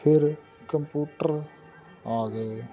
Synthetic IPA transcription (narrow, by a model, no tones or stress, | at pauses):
pʰɪɾ | kəmpjuːʈəɾ | aːɡe